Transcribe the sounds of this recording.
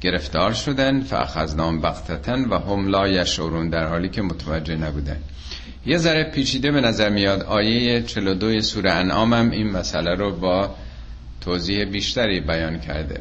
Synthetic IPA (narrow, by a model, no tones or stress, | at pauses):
ɟ̥e̞ɾe̞ft̪ɒːɾʃo̞d̪ænd̪fæ̰ʔæ̰xæznɒːmbæɣt̪ʰæt̪ʰænvæɦomlɒːjæʃʔoɾuːnd̪æɾhɒːliːcʰe̞mot̪ʰævæd͡ʒːe̞næbuːd̪æ̰n | jezæɾepʰiːt͡ʃʰiːd̪e̞be̞næzæɾmijɒːd̪ɒːjejet͡ʃʰe̞lod̪ojesuːɾeænʔɒːmæmiːnmæsʔælæɾobɒː | t̪ʰoːziːhebiːʃt̪æɾiːbæjɒːncʰæ̰ɾd̪ḛ